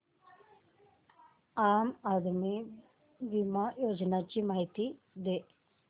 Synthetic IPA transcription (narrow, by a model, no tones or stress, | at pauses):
aːmaːd̪mi | ʋimajoːd͡ʒɐnat͡ʃimaːɦit̪i | d̪e